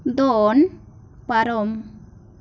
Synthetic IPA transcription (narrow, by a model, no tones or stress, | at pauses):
d̪ɔɔn | paɾɔm